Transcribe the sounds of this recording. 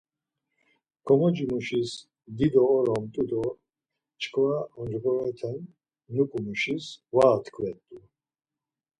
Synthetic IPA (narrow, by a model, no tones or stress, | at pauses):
kʰɔmɔd͡ʒimuʃis | d̪id̪ɔːɾɔmt̪ʼud̪ɔ | t͡ʃʰkʰvaɔd͡ʒɡɔɾɔɛt̪ʰɛnː | ukʼumuʃisvaːt̪ʰkʰvɛt̪ʼːu